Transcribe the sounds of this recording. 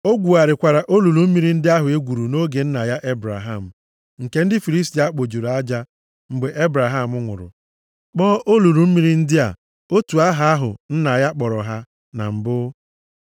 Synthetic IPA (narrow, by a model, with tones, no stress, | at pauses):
o˦ɡʷu˨a˨ɾɪ˨kʷa˨ɾa˨ʔo˦lu˨ɾu˨m̩˦mi˨ɾi˦n̩˦dɪ˦a˦ɦʊ˨e˦ɡʷu˨ɾu˨no˦ɡe˨n̩˦na˨ja˦ʔe˦bɾa̰˨ɦa˦˨m̩˨ | ŋ̩˨ke˦n̩˦dɪ˦fi˨li˦sti˨˦a˦k͡po˨d͡ʒu˨ɾa˦d͡ʒa˦ | ŋ͡m̩˨ɡ͡be˨ʔe˦bɾa˨ɦa˦˨mʊ˦ŋʷʊ̰˨ɾʊ̰˨ | k͡pɔː˦ʔo˦lu˨ɾu˨m̩˦mi˨ɾi˦n̩˦dɪ˦a̰˨ | o˦tu˨a˦ɦa˦a˦ɦʊ˨n̩˦na˨ja˦k͡pɔ˨ɾɔ˨ɦa˦ | na̰˨m̩˨bʊ˦